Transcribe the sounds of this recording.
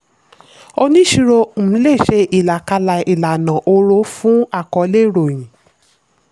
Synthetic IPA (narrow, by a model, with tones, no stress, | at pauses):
o˧nĩ˦ʃi˧ɾo˧m̩˨m̩˨˦le˦˨ʃe˧ʔi˨la˨ka˧la˧i˨la˨nã˨ʔo˧ɾo˦fũ˦a˦˨kɔ˨˦le˦˨ɾo˨j̃ĩ˨